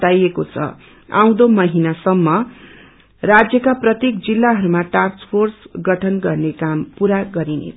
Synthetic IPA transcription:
ajekot͡sʰʌ̰ | a̰w̃d̪omʌɦinasʌmːʌ | rad͡zjʌkaprʌt̪jek̚d͡zilːaɦʌɾumaʈarspʰorsɡʌʈʰʌnɡʌrnekampuɾaɡʌɾinḛ

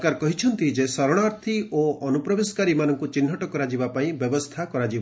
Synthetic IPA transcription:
kaɾkɔɦit͡ʃʰɔnt̪id͡ʒesɔɾɔɽ̃aɾt̪ʰioɔnupɾɔbesɔ̥kaɾimanɔŋkut͡ʃin̤ːɔʈɔkɔɾad͡ʒibapaĩbjɔbɔst̪ʰakɔɾad͡ʒiba

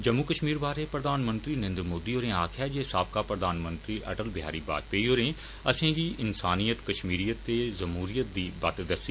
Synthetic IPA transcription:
d͡ʒəmːukəʃmiːɾbaːɾepɾəd̪aːnmə̃nt̪ɾiːnɪ̃nd̪ɾmoːd̪iɦoːɾẽːaːkʰaːd͡ʒeːsaːb̚kaːpɾəd̪aːnmə̃nt̪ɾiːʔɐ̰ʈəlbɪɦa̰ːɾiːba̰ːd͡ʒ̪peːiɦoːɾẽː | ɐsẽːɡiːʔɪnsaːnijət̪kəʃmiːɾijət̪ːezəmɦuːɾijət̪̚d̪iːba̰t̪d̪əsi

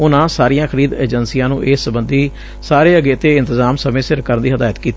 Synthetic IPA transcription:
ʊnãːsaːɾijãːxʰəɾiːd̪eːd͡ʒənsiːjãːnũːʔeːsəbənd̪iː | saːɾeːəɡeːt̪eːɪ̃nt̪əzaːmsəmẽːsɪɾkəɾnd̪iːɦəd̪aːjət̪kiːt̪

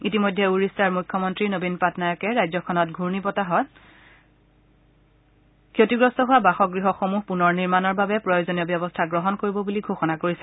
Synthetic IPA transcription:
itimojdʱːɛuɹistaɹmukʰːɔmɔntɹinobinpatnajɔkɛɹajzɔkʰɔnɔtɡʱuɹnipɔtaɦɔt | kʰjotiɡɹɔstɔɦʊwabaxɔkɡɹiɦɔxomuɦpunɔɹniɹmanɔɹbabɛpɹɔjozoniɔbjɔbɔstʰaɡɹɔɦɔnkoɹibɔbuliɡʱoxɔnakoɹisɛ

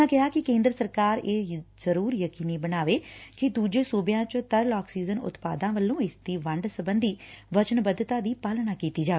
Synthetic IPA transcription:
ãːkɪɦaːkɪkẽːnd̪ɾəsəɾkaːɾeːzəɾuːɾjəkiːniːbənaːʋeːkɪd̪uːd͡ʒeːsuːbjãːt͡ʃt̪əɾlaːksiːzənʊ̰t̪paːd̪ãːʋəlːõːɪsd̪iːʋəɳɖsəbənd̪iːʋət͡ʃənbəd̪t̪ãːd̪iːpaːlnaːkiːt̪iːd͡ʒaː

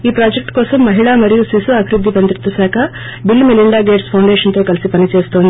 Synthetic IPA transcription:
iːpɾaːd͡ʒek̚ʈkoːsɐmːɐɦiɭaːmɐɾijusisuɐbʱiɾud̪ʱːipɐnd̪ɾit̪ːusaːkʰɐ | bilːmeliɳɖaːɡeːʈspʰɐwɳɖeʃɐnt̪oːkɐlisipɐnit͡ʃe̞ːst̪oːnd̪i

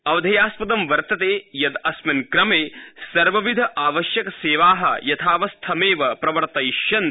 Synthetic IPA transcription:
ɐʋd̪ʱɐjaːspɐd̪ɐmʋɐɾt̪ɐt̪eːjɐd̪ɐsmɐnkɾɐmeːsɐɾʋɐʋid̪ʱɐʔaːʋɐʃjɐkɐseːʋaːɦɐ̰jɐt̪ʰaːʋɐst̪ʰɐmeːʋɐpɾɐʋɐɾt̪ɐjʃjɐn

